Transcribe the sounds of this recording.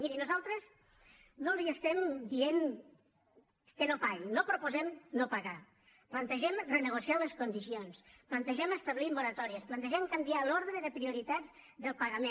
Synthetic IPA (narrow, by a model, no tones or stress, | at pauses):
miɾinuzalˠt̪ɾəz | noliəst̪ɛmd̪ien | kənopaɣinopɾopuzɛmnopaɣa | plant̪əʒɛmrənəɣ̞usialəskund̪isionsplant̪əʒɛməst̪əβlimːoɾət̪ɔɾiəsplant̪əʒɛmkambialɔɾðɾəðəpɾiuɾit̪ad͡z | ðəlˠpaɣəmẽn